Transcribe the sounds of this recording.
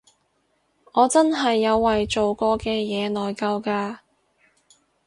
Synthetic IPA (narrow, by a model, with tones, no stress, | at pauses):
ɔː˨˧t͡sɐ˥nɦɐ˨jːɐ˨˧wːɐ˨jt͡so˨wkɔː˧kɛː˧jɛː˨˧nɔː˨jkɐ˧wkaː˧